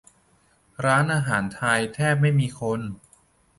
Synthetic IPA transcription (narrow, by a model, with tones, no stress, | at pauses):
ɾaː˦˥nʔaː˧ɦaː˩˦nt̪ʰa˧jt̪ʰɛː˥˩p̚ma˥˩jmiː˧kʰo˧n